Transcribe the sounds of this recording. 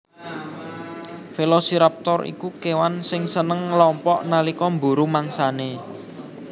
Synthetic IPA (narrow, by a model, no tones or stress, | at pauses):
felɔsiɾap̚t̪ɔrḭkukewansɪŋsənəŋlɔmpɔʔnalikɔmbṳɾumaŋsane